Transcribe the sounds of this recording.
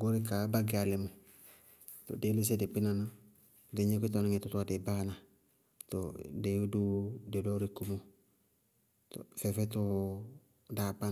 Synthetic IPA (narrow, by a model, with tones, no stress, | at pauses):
ɡo˦ɾɪ˦ka˨˦ba˦ɡɪ˦a˨le˨˦mo˨ | to̰˨de˨˦li˦s̬ɛ˦dɪ˨k͡pi˦na˦na˦˨ | de˨ɲe˦kʷi˦tɔ˦nɪ˦ŋe˨tʊ˦ta˨de˨ba˦na˨ | to˨de˨ju˦du˦de˨do˦ɾi˨ku˦mo˦ | to̰˨fɛ˨fɛ˦to˦ | da˨pa˦